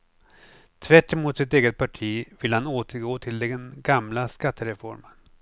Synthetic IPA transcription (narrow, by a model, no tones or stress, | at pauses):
t̪ʰvæʈːɪmʊt̪sɪt̪eːɡət̪̚pʰaʈʰiːvɪlhanoːt̪ʰəɾɡoːt̪ʰɪld̪ɛɛnɡamlaskat̪ʰːəɾɛfɔɾmən